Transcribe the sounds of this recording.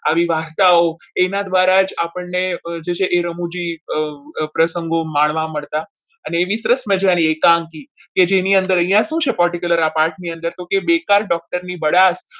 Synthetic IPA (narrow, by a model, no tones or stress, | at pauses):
aʋiʋaɾt̪ao | enad̪ʋaɾad͡ʒapəɳned͡ʒet͡ʃʰeʔeɾəmud͡ʒi | pɾəsəŋɡomaɳʋãməɭt̪a | əneːʋisəɾəsməd͡ʒañiekãŋki | ked͡ʒeniənd̪əɾə̃j̃jãʃũt͡ʃʰepəɾʈikjuləɾapaɾʈniənd̪əɾt̪okebekaɾɖɔk̚ʈəɾnibəɽas